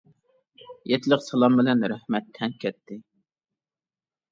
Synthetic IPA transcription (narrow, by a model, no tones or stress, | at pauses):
jɛt̪ʰɪləqsɑlˠɑmbɪlɛnɾæhmɛt̪ʰːɛnkʲʰɛt̪ʰːɪ